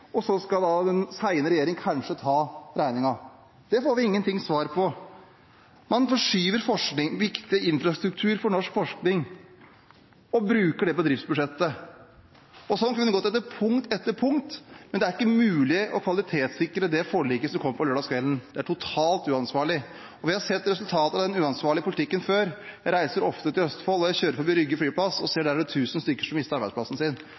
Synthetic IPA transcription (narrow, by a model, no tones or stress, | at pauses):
ɔsɔskɑd̪ɑd̪ɛnsæɪnəɾɛjeːɾɪŋkʰɑnʂət̪ʰɑːɾæɪnɪŋɑ | d̪̥ɛfoːɾʋɪɪŋːənt̪ʰɪŋːsʋɑːɾpʰɔ | mɑnfɔʂyːʋəɾfɔʂknɪŋʋɪkt̪ɪɪnfɾɑst̪ɾʉk̚t̪ʰʉːɾfɔɾɳɔʂkfɔʂknɪŋ | ɔbɾʉːkəɖɛbɔd̪ɾɪft̪sbʉd̪ʂɛt̪ːə | ɔsɔnkʉnːəɡoːt̪ɛt̪ːəɾpʰʊŋt̪ɛt̪ːəɾpʰʊŋt̪mɛnd̪ɛæɾɪkːəmʉːlɪʔɔkʰʋɑlɪt̪ʰeːt̪sɪkːɾəd̪ɛfoːɭiːkəsɔmkʰɔmːəfɾɑløːɖɑskʰʋɛlnd̪̥ɛæʈʰʊt̪ʰɑːlt̪ʉːɑnsʋɑːɭɪ | ɔʋɪhɑɾsɛt̪ːɾɛsʉlt̪ʰɑːt̪əɑʋd̪ɛnʉːɑnsʋɑːɭɪəpʰʊlɪt̪ɪkːənføːɾɾæɪsəɾɔft̪ət̪ʰɪlœst̪ə̥fɔlːɔjæɪçøːɾəfɔbɪɾʏɡːəflyːplɑsɔseːɖæɾɖɛt̪ʰʉːsn̩st̪ʏkːəʂɔmɪst̪əɾɑɾbædsplɑsn̩sɪn